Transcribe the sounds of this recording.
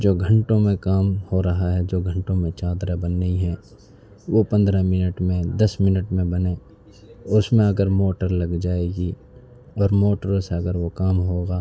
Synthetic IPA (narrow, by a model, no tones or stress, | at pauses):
d͡ʒoːɡʱə̃ɳʈõmẽkaːmhoɾɐɦaɦɛd͡ʒoːɡʱə̃ɳʈõmẽt͡ʃaːd̪ɾəbɐnːiɦɛː | ʋopɐ̃nd̪ɾamɪnəʈmẽd̪ɐsmɪnəʈmẽbɐneː | ʊsmẽɐɡəɾmoːʈəɾlɐɡd͡ʒaːeːɡi | ɔːɾmoːʈəɾseɐɡəɾʋokaːmɦoːɡaː